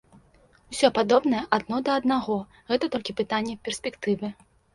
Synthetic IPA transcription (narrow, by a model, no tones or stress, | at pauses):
usʲɔpad̪ɔbnɐjɛʔad̪̚nɔd̪ɐɐd̪naɣɔ | ɣɛt̪ɐt̪ɔlʲkʲipɨt̪anʲːɛpʲɛrsʲpʲɛkt̪ɨvɨ